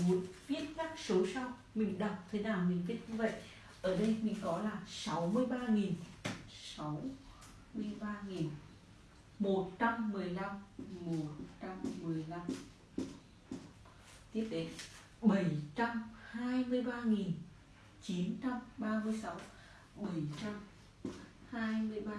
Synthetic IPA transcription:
mu˨˦ənvi˦˥ət̚kaː˦˥k̚so˨˦sa˧w | mï˨˩ŋ̟ɗə˨˩k͡p̚t̪ʰe˨˦naː˨˩wmï˨˩ŋ̟vi˦˥ət̚ɲɨ˧və̰˧˨j | ʔəː˧˩ɗə˧jmï˨˩ŋ̟kɔ˨˦laː˨˩sa˨˦wmɨ˧əjɓaː˧ŋi˨˩nsa˨˦w | mɨ˧əjɓaː˧ŋi˨˩n | mo˨˩t̚t͡ɕa˧mːɨ˨˩əjla˧mmo˨˩t̚t͡ɕa˧mːɨ˨˩əjla˧m | t̪i˦˥əp̚t̪e˨˦ | ɓə˧˩jt͡ɕa˧mhaː˧jmɨ˧əjɓaː˧ŋi˨˩n | t͡ɕi˨˦nt͡ɕa˧mɓaː˧mɨ˧əjsa˨˦w | ɓə˨˧˩jt͡ɕa˧m | haː˧jmɨ˧əjɓaː˧

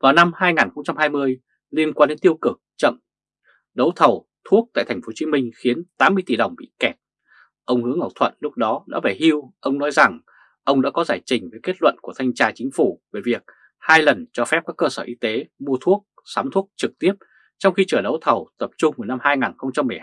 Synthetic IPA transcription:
vaː˨˩wna˧mhaː˧jŋaː˨˩nxə˧wŋ͡mt͡ɕa˧mhaː˧jmɨ˧əj | li˧ənkwaː˧nɗe˨˦nt̪i˧əwkɨ˨˩k̚t͡ɕə̰˧˨m | ɗə˨˦wt̪ʰə˨˩w | t̪ʰu˦˥k̚t̪a̰ː˧˨jt̪ʰŋ̟fo˨˦t͡ɕi˨˦mï˧ŋ̟xi˨˦ənt̪aː˨˦mːɨ˧əjt̪i˨˩ɗə˨˩wŋ͡mɓḭ˧˨kɛ˨˩p̚ | ʔə˧wŋ͡mhɨ˨˦əŋʔa˨˩t̪ʰwə̰˧˨nlʊ˦˥k͡p̚ɗɔ˨˦ɗa̰ː˧˥vaː˧˩jhi˧wʔə˧wŋ͡mnɔ˨˦jza˨˩ŋ | ʔə˧wŋ͡mɗa̰ː˧˥kɔ˨˦zaː˧˩jt͡ɕï˨˩ŋ̟vəː˨˦jke˦˥t̚lwə̰˧˨nku˧˩ət̪ʰa˧jŋ̟t͡ɕaː˧t͡ɕï˨˦ŋ̟fu˧˩ve˨˩vi˨˩ək̚ | haː˧jlə˨˩nt͡ɕɔ˧fɛ˦˥p̚kaː˦˥kːəː˧səː˧˩ʔi˧t̪e˨˦mu˧ət̪ʰu˦˥ək̚ | saː˨˦mt̪ʰu˦˥ək̚t͡ɕɨ˨˩k̚t̪i˦˥əp̚ | t͡ɕɔ˧wŋ͡mxi˧t͡ɕəː˧˩ɗə˨˦wt̪ʰə˨˩wt̪ə˨˩p̚t͡ɕʊ˧ŋ͡mvu˨˩na˧mhaː˧jŋaː˨˩nxə˧wŋ͡mt͡ɕa˧mːɨ˨˩əj

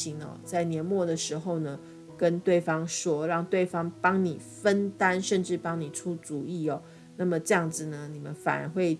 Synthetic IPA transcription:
i˧˥ŋɔ̰˨t͡sa˥˩ɪnjɛ˧˥nmwɔ˥˩d̪ə˩ʂɻ̩˧˥xo˥˧ʊnə˩ | kə˦˥nt̪we˥˩ɪfɑ˥ŋʂwɔ˥ɻɑ˥˧ŋt̪we˥˨ɪfɑ˥ŋpɑ˥ŋni˨˩fə˦˥nt̪a˦nʂə˥˧nʈ͡ʂɻ̩˥˩pɑ˥ŋni˨˩ʈ͡ʂʰu˦t͡su˨˦i˥˩ɔ˨˩ | na˥˩mə˨ʈ͡ʂɤ˥˧jɑ˥˩ŋd͡z̩˨nə˩ni˨˩mə˦nfa̰˨˩nə̰˧˥nxwe˥˩ɪ

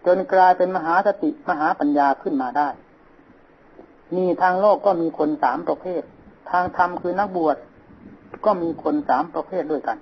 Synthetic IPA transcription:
t͡ɕo˧nklaː˧jpe˧nma˧ɦaː˩˦sa˧˦t̪i˨˩ʔma˧ɦaː˩˦pa˨njaː˧kʰɯ˥˩nmaː˧daː˥˩j | niː˥˩t̪ʰaː˧ŋloː˥˩kːɔː˧˥˩miː˧kʰo˧nsaː˩˦mpɾa˧pʰeː˥˩t̪̚ʰːaː˧ŋt̪ʰa˧mkʰɯː˧na˥k̚bu˨˩ət̪̚ | kɔː˥˩miː˧kʰo˧nsaː˩˦mpɾa˧pʰeː˥˩t̪̚du˥˩əjka˧n

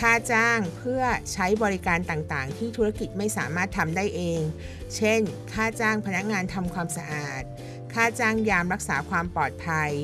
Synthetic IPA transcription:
kʰaː˥˩t͡ɕaː˥˩ŋpʰɯ˥˩ɐt͡ɕʰa˦˥jbɔː˧ɾi˦˥kaː˧nt̪aː˨˩ŋt̪aː˨˩ŋt̪ʰiː˥˩t̪ʰuː˦˥ɾa˦˥˩ki˨˩t̪̚ma˥˩jsaː˩˦maː˥˩t̪ʰːa˧mdaː˥˩jʔeː˧ŋ | t͡ɕʰe˥˩nkʰaː˥˩t͡ɕaː˥˩ŋpʰa˧na˦˥k̚ŋaː˧nt̪ʰa˧mkʰwaː˧msa˧ʔaː˨˩t̪̚ | kʰaː˥˩t͡ɕaː˥˩ŋjaː˧mɾa˦˥k̚saː˩˦kʰwaː˧mpɔː˨˩t̪̚pʰa˧j

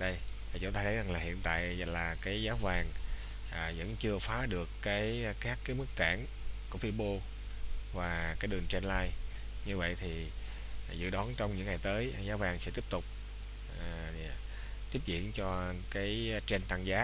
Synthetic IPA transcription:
ɗə˧jvaː˨˩t͡ɕʊ̰˨˧˦nt̪aː˧t̪ʰə˨˦jza˨˩ŋlaː˨˩hḭ˧˨ənt̪a̰ː˧˨jlaː˨˩kaː˨˦jzaː˨˦wvaː˨˩ŋ | ʔvə̰˧˥nt͡ɕɨ˧əfaː˨˦ɗɨ˨˩əkːaː˨˦jxaː˦˥kkaː˨˦jmɨ˦˥k̚t̪a̰ː˧˩n | ku˧˩əfi˧ɓo˧ | vaː˨˩kaː˨˦jɗɨ˨˩əŋt͡ɕɛ˧nlaː˧j | ɲɨ˧və̰˧˨jt̪ʰi˨˩ | zɨ̰˧˨ɗɔ˨˦nt͡ɕɔ˧wŋ͡mɲɨ̰˧˥ŋːa˨˩jt̪əː˨˦jzaː˨˦wvaː˨˧˩ŋsɛ̰˧˥t̪i˦˥əp̚t̪ʊ˨˩k͡p̚ː | t̪i˦˥əp̚zḭ˧˨ənt͡ɕɔ˧kaː˨˦jt͡ɕe˧nt̪a˧˩ŋzaː˨˦˥

